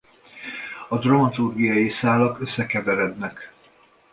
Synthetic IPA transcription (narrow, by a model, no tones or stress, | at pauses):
ɒd̪rɒmɒt̪urɡijɒjisaːlɒkø̞sːɛkɛvɛɾɛd̪nɛk